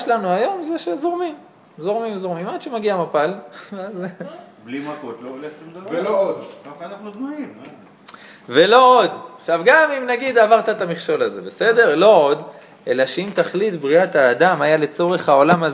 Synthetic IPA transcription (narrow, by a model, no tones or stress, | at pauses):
ʃlanuajo̞mzeʃezo̞ʁmim | zo̞ʁmimzo̞ʁmimad̥̪ʃemaɡiamapalaz | blimakot̪loleχʃumd̪alvelood̪kaχanaχnudmaim | ve̞lo̞od̪aχʃavɡamimnaɡid̪avaʁt̪aet̪amiχʃo̞laze̞be̞se̞d̪e̞ʁlo̞od̪ | ʔe̞laʃeimt̪aχlit̪bʁiat̪aːd̪amajale̞t͡so̞ʁe̞χhao̞lamaz